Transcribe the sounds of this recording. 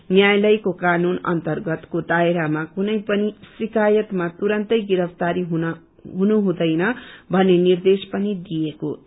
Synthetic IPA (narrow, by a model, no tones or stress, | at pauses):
njajlʌjkokanunʌ̰nt̪ʌrɡʌt̪kod̪aeɾamakunʌjpʌnisikajʌt̪mat̪uɾʌnt̪ʌjɡiɾʌpʰt̪aɾiɦun | ɦunuɦũd̪ʌjnʌbʱʌnːenird̪espʌnid̪ijeko